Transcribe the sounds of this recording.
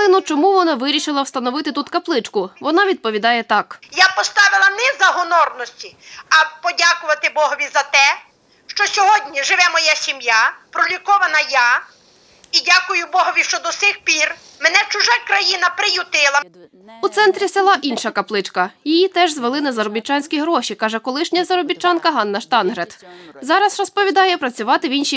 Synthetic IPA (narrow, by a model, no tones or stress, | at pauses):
ɪnʊt͡ʃɔmuʋɔnɑʋɪɾʲiʃɪlˠɐwst̪ɐnɔʋɪt̪ɪt̪ut̪kɐplˠɪt͡ʃkʊʋɔnɑʋʲid̪̚pɔʋʲid̪ɑjɛt̪ɑkjapɔst̪ɑʋɪlˠɐnɛzɐɦɔnɔrnɔsʲtʲiɐpɔdʲakʊʋɐt̪ɪbɔɦɔʋʲizɐt̪ɛ | ʃt͡ʃɔsʲɔɦɔdʲnʲiʒɪʋɛmɔjasʲimjapɾɔlʲikɔʋɐnɐja | idʲakʊjʊbɔɦɔʋʲiʃt͡ʃɔd̪ɔsɪxpʲir | menɛt͡ʃʊʒakɾɐjinɐpɾɪjʊt̪ɪlˠɐ | ut̪sɛnt̪ɾʲiselˠɑʔinʃɐkɐplˠɪt͡ʃkɐjijit̪ɛʒzʋelˠɪnɐzɐɾɔbʲit͡ʃːɑnʲsʲkʲiɦɾɔʃikɑʒɛkɔlˠɪʃnʲɐzɐɾɔbʲit͡ʃːɑnkɐɦɑnːɐʃt̪ɑnɦɾet̪zɑɾɐsrɔspɔʋʲid̪ɑjɛpɾɐt͡sʲʊʋɑt̪ɪʋʲinʃi